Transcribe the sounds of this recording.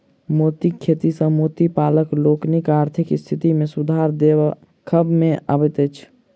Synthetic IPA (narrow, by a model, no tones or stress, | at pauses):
moːt̪ikʰːeːt̪isə̃moːt̪ipaːləkloːknikaːɾt̪ʰɪkɪst̪ʰɪt̪imẽsʊd̪ʱaːɾd̪eːwa | kʰəbmẽa̰ːbət̪ɛt͡ʃʰ